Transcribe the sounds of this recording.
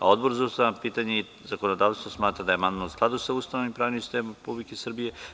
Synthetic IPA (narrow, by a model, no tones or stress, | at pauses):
a̰o̞d̪bo̞ɾzaust̪aʋapiːt̪aɲei | zakonod̪aːʋst̪ʋosmaːt̪ɾad̪aje̞mand̪nousklˠad̪usaust̪anoʋimpɾaːʋnimsi̥st̪emɾepublikesr̩bije